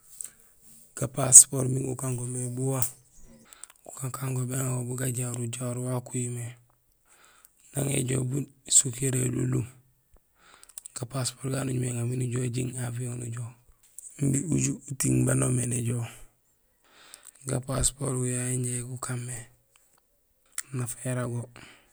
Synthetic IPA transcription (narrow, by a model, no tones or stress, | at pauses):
ɡ̥apaspoɾmiŋɡukaŋɡomebuwa | ɡ̥u̥kakaŋɡomeŋaobuɡaɟaɾuɟaɾuwakujime | na̰ŋḛɟo̰busukeɾelṵlu | ɡ̥apaspoɾɡanuɟumeŋaminiɟoɟiŋafioŋnṵɟo | m̩biuɟuutiŋbanomeneɟoː | ɡa̰paspoɾwujaiɲeɡukamːe | nafeɾaɡo